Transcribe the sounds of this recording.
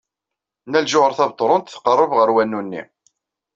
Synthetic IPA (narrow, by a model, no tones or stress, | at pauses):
nælʒʊʁəɾθɑvt̪ˤːɾˤʊnt̪θqərˤːəvʁəɾwænːunːḭ